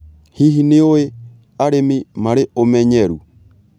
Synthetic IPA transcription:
hiɦineoe | aɾemimaɾeʔomɛɲɛɾṵ

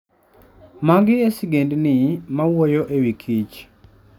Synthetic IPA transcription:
maɡɪesɪɡendnɪmawojoʔewikʰit͡ʃ

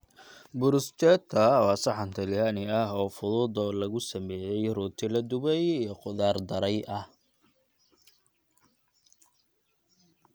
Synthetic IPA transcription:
bʊɾʊst͡ʃʰɛːt̪ʰːɐwɑːsɑħɑnt̪ʰɐlɪjanɪɐɦɔːfʊðuːd̪ɔlɐɣʊsɐmɛːjɛjrʊːt̪ʰɪlɐd̪ʊβɛjijɞqʊðaːrd̪ɐɾɛjʔɐh

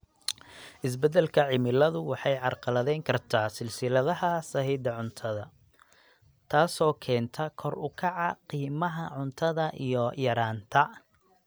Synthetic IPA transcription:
ʔɪs̬bɛd̪ɛlkʰɐʕɪmɪlɐðʊwɑħɑjʕɑrqɑlɐðɛjŋkʰɐrt̪ʰaːsɪlsɪlɐðɐɦɐsɐhid̪ɐʕʊnt̪ʰɐðɐ | t̪ʰaːsɔːkʰɛːnt̪ʰɐkʰɔrʊkʰɑʕɑqiːmɐɦɐʕʊnt̪ʰɐðɐʔḭjɔjɐɾaːnt̪ʰɐ

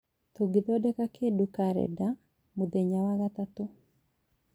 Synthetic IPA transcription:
t̪uɡɪd̪ɔdɛkakʰedukaɾɛ̰da | mud̪eɲawaɡat̪at̪o

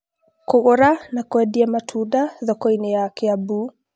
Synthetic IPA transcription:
kɔɣɔɾanakwɛdiamatʰudaðɔkɔinɛjakɛabu

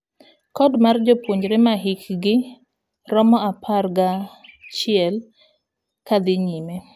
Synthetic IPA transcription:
kɔdmard͡ʒopwoɲɾemaɦɪkɡɪ | ɾɔmɔapʰarɡat͡ʃɪɛl | kad̪ɪɲime

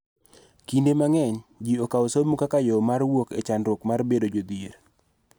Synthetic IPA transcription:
kindemaŋɛɲd͡ʒiokaosomukakajomarwokḛt͡ʃandɾʊkmarbedod͡ʒod̪iɾ

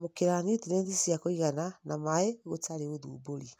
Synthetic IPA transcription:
mokeɾanitineːndisiakoiɣananamaeɣotaɾeɣoðṵːboɾi

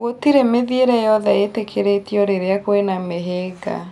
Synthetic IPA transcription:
otiɾemeðieɾɛjɔðɛetekʰeɾetioɾeɾeakwenameɦeːɡa̰

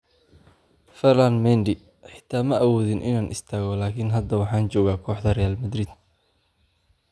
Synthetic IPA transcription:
fɛrlanmɛnd̪ɪ | ħɪ̥t̪ʰaːmɐʔɐwɔːðɪnʔɪ̰naːnʔɪst̪ʰaːɣɔlaːkʰɪnɦɐd̪ɐwɑħɑːnt͡ʃɔːɣaːkʰɔːħd̪ɐrɛjaːlmɐd̪riːd̪̚

